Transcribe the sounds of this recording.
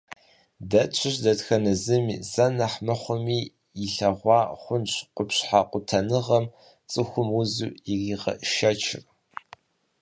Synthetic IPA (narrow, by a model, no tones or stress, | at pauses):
dɐt͡ʃʷʰɪɕdɐtxɐnɨzɨmiːzɐnɐħmɐχʷʊmiː | jɪɬɐʁʷɑːχʷʊnɕqʷʊpɕħaqʷʼʊtʰɐnɨʁɐm | t͡sʼɨxʷʊmuzṵiriːʁɐ̰ʔʃɐt͡ʃʰɪ̰r